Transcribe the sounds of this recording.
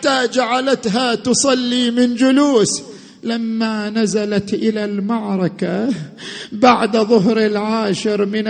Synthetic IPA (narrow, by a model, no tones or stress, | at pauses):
t̪ad͡ʒaʕalat̪ɦat̪ʊsˤɑlːiːmɪnd͡ʒʊluːs | lamːanazalat̪ʔɪlalmɑʕɾˤɑka | baʕd̪ðˤʊɦɾɪlʕaːʃɪɾmɪn